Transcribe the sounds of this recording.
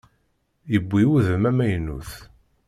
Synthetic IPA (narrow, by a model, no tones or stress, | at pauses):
jəbʷːiuðəmæmæjnṵθ